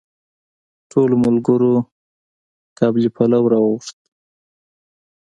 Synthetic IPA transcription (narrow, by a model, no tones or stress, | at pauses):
ʈʰolmʊlɡəɾo | kɑblipʰalawɾɑɣuʂt̪̚